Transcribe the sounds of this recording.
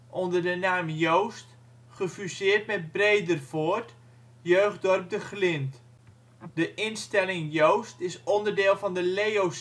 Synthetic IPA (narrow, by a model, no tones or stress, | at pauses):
ʔɔndərdənaːmjowst | χəfysɪːrtmɛt̚brejdərvoːrt | jøɥχdɔrp̚dəχlɪnt | dəʔɪnstɛlɪŋjowstɪsɔndərdɪːlˠfɑndəlejows